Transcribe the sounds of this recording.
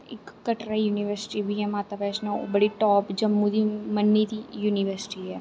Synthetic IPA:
ɪkːəʈɾajuːniʋəɾsɪ̥ʈibʱiɦɛmaːt̪apɛːʃnão̰bɐɽiʈɔːpd͡ʒɐmːud̪imɐnːid̪ijuːniʋəɾsɪ̥ʈiɦɛː

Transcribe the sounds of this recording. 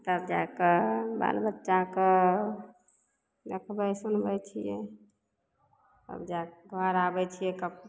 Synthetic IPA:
t̪əbd͡ʒakeba̰lbətːʃake | d̪ekʰbəsunbɛt͡ʃʰijɛ̰ | t̪ə̰bd͡ʒakɡʱəɾabɛt͡ʃʰijɛkəb

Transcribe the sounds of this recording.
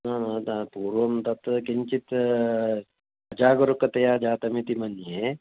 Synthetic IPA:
nɐnɐt̪apuːɾʋɐmt̪ɐt̪kint͡ʃit̪ | ɐd͡ʒaːɡɐɾukɐt̪ɐjaːd͡ʒaːt̪ɐmit̪imɐnje

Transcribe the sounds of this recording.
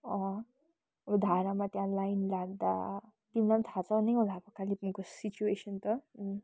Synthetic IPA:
ʌ̃ | ʌbʌd̪ʱaɾamat̪jãlajnlaɡ̚d̪a̰ | t̪imlat̪ʰat͡sʰʌneõd̪ʱapʌkalipmũkosit͡ɕuesʌnt̪ʌ

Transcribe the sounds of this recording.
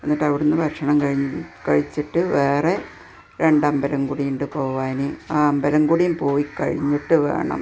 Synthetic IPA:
enːiʈːɐʋiɽunːɨbʱɐrʂɐɳɐmkɐɻiɲːkɐɻit͡ɕːiʈːɨʋeːre | ɾe̞ɳɖɐmbɐlɐmkuɽijuɳɖɨpo̞ːuʋaːneaːɐmbɐlɐmkuɽijumpo̞ːjikːɐ̰ɻiɲːiʈːɨʋe̞̰ːɳɐ̰m

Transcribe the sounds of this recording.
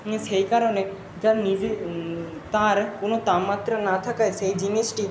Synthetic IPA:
ʃejkaɾone | d͡ʒanid͡ʒe | t̪aɾkonot̪amːat̪ːɾanat̪ʰakaejʃejd͡ʑiniʃʈi

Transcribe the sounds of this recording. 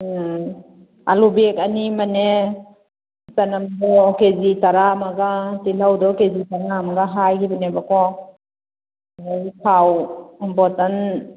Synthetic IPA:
a̰lubekanimane | sanamdɔkezitaɾamaɡatilawdɔkezitaɾamaɡaɦajkʰibanebakɔ | ajpʰawbɔtan

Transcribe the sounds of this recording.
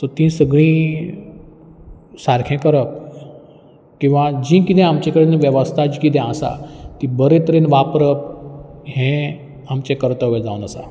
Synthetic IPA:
t̪əɾt̪ĩsəɡɭĩː | saɾkʰɛ̃kəɾəp̚ | kĩw̃ʋad͡ʑĩːkit̪ɛ̃amt͡ɕekəɽenʋjəʋəst̪ʰad͡ʑikit̪ɛ̃asa̰t̪ĩbəɾet̪əɾenʋapɾəp̚ɦɛ̃ | amt͡ɕɛ̃kəɾt̪əʋʋẽd͡zaʋunəsa̰

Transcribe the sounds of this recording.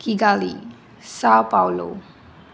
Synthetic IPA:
kiɡali | sawpawlo̰

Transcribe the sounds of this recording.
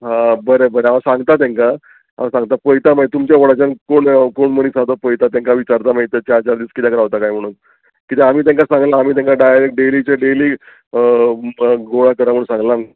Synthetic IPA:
ɦãbəɾebəɾeaʋasãŋɡt̪at̪̬jãŋka | a̰ʋasãŋɡt̪apəjt̪amait̪umt͡ɕjaʋoɽat͡ɕankoɳkoɳmənisat̪opəjt̪at̪̬jãŋkaʋit͡ɕaɾt̪amait̪ət͡ɕaɾt͡ɕaɾd̪iːskit̪ãkəɾaʋt̪akajm̤əɽ̃uːn | kit̪eam̤iːt̪̬ãŋkasãŋɡlaːm̤iːt̪̬ãŋkaɖajɾek̚ɖelit͡ɕaɖeliː | ɡoɭakəɾam̤ənsãŋɡlam

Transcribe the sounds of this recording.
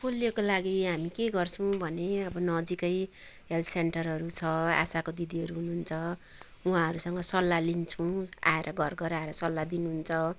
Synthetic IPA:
polːijokolaɡiɦamikeɡʌrt͡sʰʌw̃bʱʌneʌbʌnʌd͡zikʌj | ɦelt̪ʰsenʈʌrɦʌɾut͡sʰʌa̰sakod̪id̪iɦʌɾuɦunuɦːnt͡sʰʌ | uɦãɦʌɾusʌŋɡʌsʌlːalint͡sʰʌw̃a̰eɾʔʌɡʱʌrɡʌɾaeɾʌsʌlːad̪inuɦunt͡sʰʌ

